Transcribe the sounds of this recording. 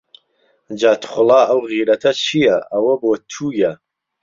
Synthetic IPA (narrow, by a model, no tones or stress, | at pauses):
d͡ʒaːt̪ʰχʷʊlˠɑːʔɐwɣiːɾɐt̪ʰɐt͡ʃʰijɐʔɐwɐboːt̪ʰuːjɐ